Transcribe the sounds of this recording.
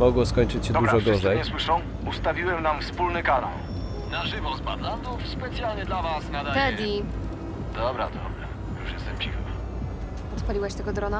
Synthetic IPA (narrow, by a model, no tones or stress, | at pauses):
mɔɡwɔskɔɲt͡ʂɘt͡ɕɕɛd̪ɔuɾaʐɔɡɔʐɛjɲɛswɘʂɔw | ust̪avʲiwɛmnamfspulnɘkana̰l | naʐɨvɔspad̪lat̪ɔspɛt̪sʲjalɲɛd̪lavasnad̪at̪ɛdʲi | d̪̥ɔbɾa̰d̪ɔ̰bɾa | juʂjɛst̪ɛmpʲixa | ɔt̪palʲiwaɕt̪ɛɡɔd̪ɾɔna